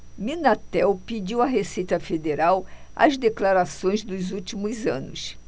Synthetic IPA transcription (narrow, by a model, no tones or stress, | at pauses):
mĩnat̪ɛwpid͡ʒiwɐɦesejt̪ɐfed̪eɾawɐ̰zd̪eklaɾasõj̃zd̪ʊzut͡ʃimʊzɐ̰̃nʊ̰s